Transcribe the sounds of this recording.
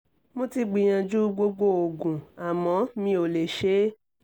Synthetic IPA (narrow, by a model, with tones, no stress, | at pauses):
mõ˦ti˧ɡ͡bĩ˧j̃ã˧d͡ʒu˦ɡ͡bo˧ɡ͡bo˦o˨ɡũ˨a˨mɔ̃˨˦mĩ˧˦o˨le˨ʃe˨˦